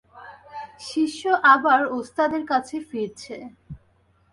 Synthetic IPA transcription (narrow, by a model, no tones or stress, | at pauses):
ʃiʃːoʔabaɾost̪ad̪eɾkat͡ɕʰefiɾt͡ɕʰe